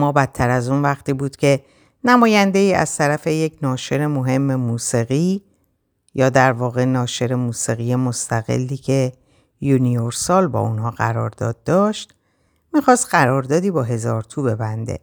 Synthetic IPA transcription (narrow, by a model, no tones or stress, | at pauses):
mɒːbæt̪ʰːæɾæzunvæxt̪iːbuːd̪̥cʲʰe̞ | næmɒːjænd̪eiːʔæ̰z̥t̪ʰæɾæfe̞jecʰnɒːʃe̞ɾe̞mo̞ɦe̞mːe̞muːsiɣiː | jɒːd̪æɾvɒːɣe̞nɒːʃe̞ɾe̞muːsiɣiːje̞mo̞st̪ʰæɣe̞̰lːiːcʰe̞ | junijoɾsɒːlbɒ̰ːʔunɦɒːɣæ̰ɾɒːɾd̪ɒ̰ːd̪̚ːɒːʃt̪ | miːxɒːst̪ɢæɾɒːɾd̪ɒːd̪iːbɒːɦe̞zɒːɾt̪ʰuːbe̞bænd̪e̞̰